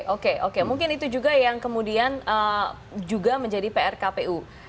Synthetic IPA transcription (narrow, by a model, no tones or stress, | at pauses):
ʔokeʔokemuŋkɪnit̪ud͡ʒuɡajaŋkəmudianə | d͡ʒuɡaməɲd͡ʒadipeɛrkapeu